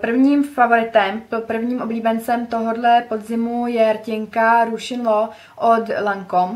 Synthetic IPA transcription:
pr̩vɲiːmfavo̞ɾɪt̪ɛmppr̩vɲiːmʔobliːbɛnt͡sɛmt̪o̞ɦo̞dlɛpo̞d̪zɪmujɛɾcɪŋkaɾuʃɪnlo | ʔod̪laŋkom

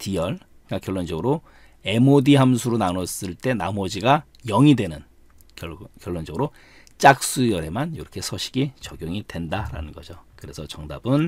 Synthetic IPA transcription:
tijʌɭ | ɡakjʌɭːond͡ʑʌɡɯɾo | e̞modiɦamsʰuɾonanʌs͈ɯɭt͈e̞namʌd͡ʑiɡa | jʌŋidwe̞nɯn | kjʌɭːond͡ʑʌɡɯɾo | t͡ɕ͈ak̚s͈ujʌɾe̞manjʌɾʌkʰe̞sʰʌɕʰi̥ɡit͡ɕʌɡjoŋidwe̞ndaɾa̰nɯnɡʌd͡ʑokɯɾe̞sʰʌt͡ɕʌŋda̰bɯn

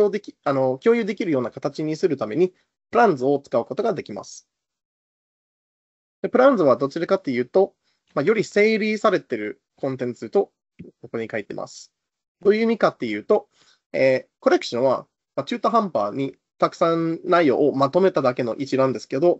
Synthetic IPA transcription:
od̪ekʲiano̞kʲo̞ːjɯ̟ːd̪e̞kʲiɾɯ̟jo̞ːnakat̪at͡ɕiɲ̟isɨɾɯ̟t̪ame̞ɲ̟i | pɯ̟ɾãnd͡zɨo̞t͡sɨ̥kaɯ̟ko̞t̪o̞ɡad̪e̞kʲima̰sɨ̥ | d̪̥e̞pɯ̟ɾãnd͡zɨβ̞ad̪o̞t͡ɕiɾakat̪ːe̞jɯ̟ːt̪o̞ | majo̞ɾʲise̞ːɾʲisaɾe̞t̪e̞ɾɯ̟ | kõ̞nt̪ẽ̞nt͡sɨt̪o̞ | ko̞ko̞ɲ̟ikait̪e̞̰mʔa̰sɨ̥ | d̪̥o̞jɯ̟ːmʲikat̪ːe̞jɯ̟ːt̪o̞ | eːko̞ɾe̞kɯ̟ɕõɰ̃βa̰ | mat͡ɕɨːt̪oɦãmpa̰ːɲ̟i | t̪akɯ̟̥sãnːaijo̞̰ːʔːmat̪o̞me̞t̪ad̪ake̞no̞̰ʔit͡ɕiɾãnd̪e̞sɨ̥ke̞d̪o̞

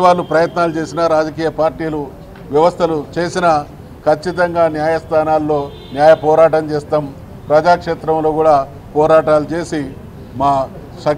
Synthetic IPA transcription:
ʋaːlːupɾɐjɐt̪naːlut͡ʃe̞ːsinɐɾaːd͡ʒɐkiːjɐpaːɾʈiːlu | ʋjɐʋɐst̪ʰɐlut͡ʃe̞ːsinɐ | kʰɐt͡ʃːit̪̬ɐŋɡaːnjaːjɐst̪ʰaːnaːlːo̞ː | njaːjɐpɔːɾaːʈɐmt͡ʃeːst̪aːm | pɾɐd͡ʒaːkʂeːt̪ɾɐmlo̞ːkuːɽaː | pɔːɾaːʈaːlut͡ʃe̞ːsi | maː | ʃɐ

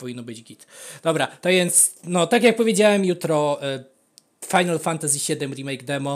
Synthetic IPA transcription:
pɔvʲinːɔbɘd͡ʑɡʲit̪d̪ɔbɾat̪ɔvʲjɛnt̪snɔt̪ak̬ʲjak̚pɔvʲjed͡ʑawɛmjut̪ɾɔ | fajnalfant̪azʲiɕɛd̪ɛmɾimɛjɡd̪ɛmɔ

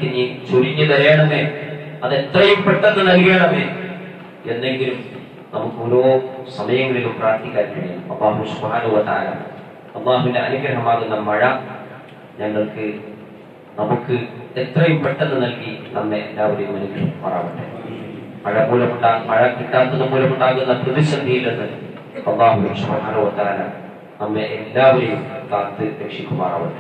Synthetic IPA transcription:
kinit͡ɕuriɲːɐðɐɾɐeːɳɐmeːɐðe̞t̪rɐjumpeʈːenːɨnɐlkijeːɳɐmeː | e̞nːe̞ŋɡilum | nɐmukːɨoɾoːsɐmɐjɐŋːɐɭilumpraːrt̪ikːaːɾkɐɽija̰ɐmɐ̰lːaːɦusubhaːnɐhuʋɐt̪ɐa̰ːla̰ | ɐlˠˤːaːɦuʋindeɐnuɡɾɐɦɐmaːɣunːɐmɐɻɐ | ɲɐŋːɐɭkɨ | nɐmukːɨet̪rɐjumpeʈːenːɨnɐlkinɐmːeelːaːʋɐɾejumɐnuɡɾɐɦɐkpɐra̰ːʋuɳɖɨ | mɐɻɐpoːlɐmuɳɖaːmɐɻɐkiʈːaːt̪ːɐðːɨpoːlɐmuɳɖaːɣunːɐprɐðiɕɐd̪ijilenːɨ | ɐlːaːɦusubħaːnɐhuʋɐt̪ɐaːlɐ̰ | nɐmːeʔelːaːʋɐɾejumkaːt̪ːɨɾekʂikʲːumɐrɐ̰ːʋuɳɖɨ

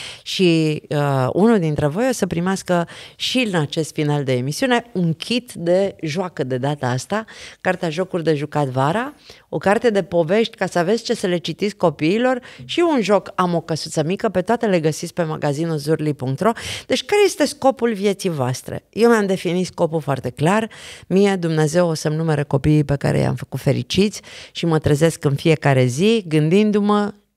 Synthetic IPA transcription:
ʃiəṵnuld̪int̪ɾe̞vo̞josəpɾimeaskəʃiɨnat͡ʃe̞st̪finald̪e̞ːmisiune̞uŋkʲʰit̪d̪e̞ʒoakəd̪e̞d̪at̪əast̪akart̪eaʒo̞kurʲd̪e̞ʒukat̪vaɾao̞kart̪e̞d̪e̞po̞ve̞ʃt̪ʲkasəave̞t̪sʲt͡ʃe̞səle̞t͡ʃit̪it̪sʲkko̞piːlo̞rʃiunʒo̞kamo̞kəsut̪səmikəpe̞t̪oat̪ele̞ɡəsit̪sʲpe̞ma̰ɡazinulzurlipuŋk̚t̪ɾo̞d̪̥e̞t͡ʃʲkaɾejest̪e̞sko̞pulvje̞t̪sijvoast̪ɾḛje̞wmamd̪e̞finit̪sko̞pulfoa̰rt̪e̞klarmije̞d̪umneaze̞wosəmnume̞ɾəko̞piːpe̞ka̰ɾḛja̰mfəkut̪fe̞ɾḭt͡ʃit̪sʲʃimət̪ɾeze̞skɨnfije̞kaɾe̞ziɡɨnd̪ind̪umə

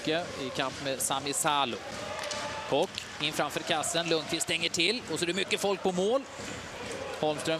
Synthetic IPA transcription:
kːəɪkʰampmeːsamɪsaːlʊ | hʰɔkː | ɪnfɾamfœːɾkʰasːənlɵŋkʰvɪst̪ɛŋːəʈʰɪlːɔsɔæd̪ɛmʏkːəfɔlk̚pʰɔmoːl | hɔlmst̪ɾœ

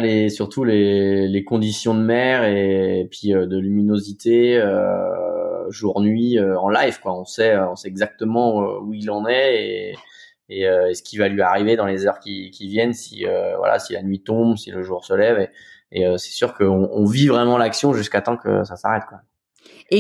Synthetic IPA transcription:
lesyʁt̪ʰulelekɔ̃d̪isjɔ̃d̪əmɛʁepɥiød̪əlyminozit̪eø | ʒuʁnɥiøɑ̃lajvkwaɔ̃sɛøɔ̃sɛɛɡzak̚t̪əmɑ̰̃uilɑ̃nɛeː | øesə̥kʲivalɥiaʁived̪ɑ̃lezœʁkʲikʲivjɛnsḭø̰vwa̰la̰sila̰nɥit̪ɔ̃bsiləʒuʁsəlɛveːøsɛ̥syʁkəɔ̃ɔ̃vivʁɛmɑ̃laksjɔ̃ʒyskat̪ɑ̃kə̰sasa̰ʁɛt̪̚kwa

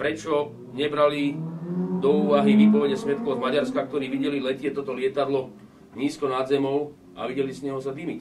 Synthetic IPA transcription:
pɾɛt͡ʃɔ | ɲɛbɾali | d̪ɔuːʋaɦiʋiːpɔʋɛɟɛsʋɛt̪̚kɔʋzmaɟaɾskakt̪ɔɾiːʋiɟɛlilɛcɪɛt̪ɔt̪ɔlɪɛt̪ad̪lɔ | ɲiːskɔnad̪zɛmɔʊ | a̰ʋiɟɛlizɲɛɦɔsad̪imic

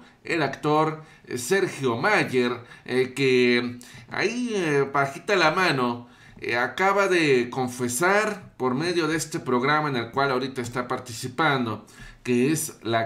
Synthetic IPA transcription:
elakt̪oɾ | seɾxjomaʝeɾke | a̰ipaxit̪alamãno | akaβaðekoɱfesaɾpoɾmeðjo̞ðeest̪epɾoɣɾamaenelkwalaoɾit̪aest̪apaɾt̪isipand̪o | keesla

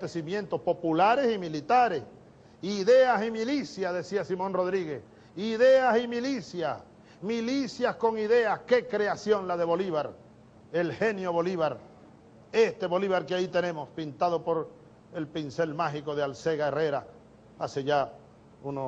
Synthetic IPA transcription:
t̪esimjẽ̞nt̪o̞spo̞pulaɾe̞similit̪aɾe̞s | iðe̞asimilisjaðe̞siasimõ̞nro̞ðɾiɣe̞s | iðeasimilisjas | milisjasko̞ŋiðe̞aske̞kɾe̞asjo̞nlaðe̞βo̞liβaɾ | elxe̞njoβo̞liβ̞aɾ | e̞st̪e̞βo̞liβaɾkeait̪e̞nẽ̞mospint̪aðo̞po̞ɾ | e̞lpinse̞lmaxiko̞ðealse̞ɣaere̞ɾa | ase̞ʝa | uno

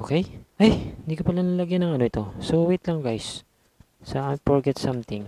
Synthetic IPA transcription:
ʔokɛjʔajɪnd̪iːkopɐlanɐlɐɡjanɐŋɐnoʔɪt̪o̞sowit̪lɐŋɡajsː | ɐafɔɹɡɛt̪sɐ̃mt̪ɪ̃ŋ

